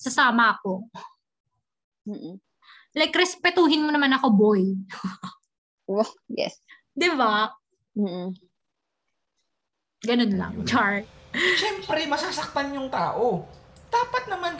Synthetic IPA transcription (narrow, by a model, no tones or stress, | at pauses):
sɐsaːmɐɐko̞ | m̩ː | lajkɾɛspɛt̪uːɦɪnmonɐmanɐko̞boj | jɛ̰s | d̪ɪba | ɡɐnonlɐ̰ŋt͡ʃaɹt̪̚ʃɛmpɾɛmɐsasɐk̚t̪anɲʊŋt̪aːʔod̪̥aːpɐt̪̚nɐman